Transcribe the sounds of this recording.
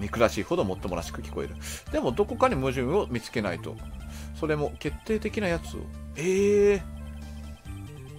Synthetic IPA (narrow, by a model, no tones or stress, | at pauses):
mʲikɯ̟ɾaɕiːho̞d̪o̞mo̞t̪ːo̞moɾaɕi̥kɯ̟kʲi̥ko̞e̞̰ɾɯ̟d̪̥e̞mo̞d̪o̞ko̞kaɲ̟imɯ̟ʑɨ̃ɰ̃o̞mʲit͡sɨ̥ke̞na̰it̪o̞̰so̞ɾe̞mo̞ke̞t̪ːe̞ːt̪e̞kʲinajat͡sɨo̞̰eː